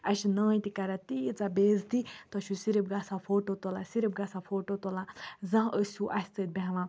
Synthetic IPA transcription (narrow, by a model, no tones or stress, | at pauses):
ɐʃinəːt̪ikaɾat̪it͡sabeːzt̪it̪ɐʃʰusiɾip̚ɡasãpʰoːʈot̪olasiɾipɡasãpʰoːʈot̪olãzãɦəsʲuʔasʲt̪ət̪̚bãɦʋã